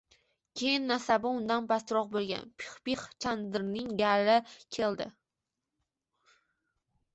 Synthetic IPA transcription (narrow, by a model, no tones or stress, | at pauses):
kʲʰejɪnːasabɪʊnd̪anbast̪ɾɒq̚bolˠɡʲa̰npʰɪ̥χbiχt͡ʃʰand̪ɪɾnɪŋɡaɾɪkʲʰe̞lˠd̪ɪ̰